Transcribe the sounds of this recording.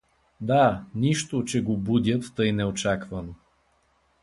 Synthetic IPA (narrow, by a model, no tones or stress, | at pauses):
d̪aniʃt̪ot͡ʃɛɡobud̪ʲjət̪ːɤjnɛot͡ʃakvɐno